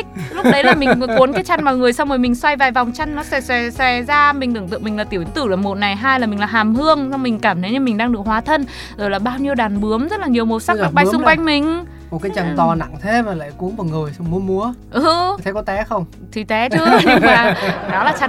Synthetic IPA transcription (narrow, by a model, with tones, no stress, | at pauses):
lʊ˦˥k͡pɗə˨˦jlaː˨˩mi˨˩ŋ˨ku˨˦ənkaː˨˦jt͡ɕa˧n̟maː˨˩ŋɨ˨˩əjsa˧wŋ͡mhoː˨˩jmï˨˩ŋ̟swa˧jvaː˨˩jva˨˩wŋ͡mt͡ɕa˧jnːɔ˨˦sɛ˧˩sɛ˧˩sɛ˧˩zaː˧mi˨˩ŋɨ˧˩ŋt̪ɨ̰˧˨ŋmï˨˩ŋ̟laː˨˩i˧˩əwt̪ɨ˧˩laː˨˩mo˨˩t̚na˨˩jɦaː˧jlaː˨˩mï˨˩ŋ̟laː˨˩ɦaː˨˩mhɨ˧əŋsa˧wŋ͡mmï˨˩ŋ̟kaː˧˩mt̪ʰə˨˦jɲɨ˧˩mï˨˩ŋ̟ɗaː˧ŋɗɨ˨˩ək̚hwaː˨˦t̪ʰə˧n | zo˨˩jlaː˨˩ɓaː˧wɲi˧wɗaː˨˩nɓɨ˨˦əmzə˦˥t̚laː˨˩ɲi˨˩əwmo˨˩sa˦˥kɗa˨˩k̚ɓaː˧˨jsʊ˧ŋ͡mkwa˧jŋ̟mï˨˩ŋ̟ | mo˨˩t̚kaː˨˦jt͡ɕa˨˩ŋt̪ɔ˨˩na̰˧˨ŋt̪ʰe˨˦maː˨˩la̰ː˧˨jku˨˦ənvɔː˨˩ŋɨ˨˩əjsa˧wŋ͡mmu˨˦mu˨˦əʔt̪ʰə˨˦kɔ˨˦t̪ɛ˨˦xə˧wŋ͡m | t̪ʰi˨˩t̪ɛ˨˦t͡ɕɨ˨˦ɲɨ˧ŋmaː˨˩ɗɔ˨˦laː˨˩t͡ɕa˧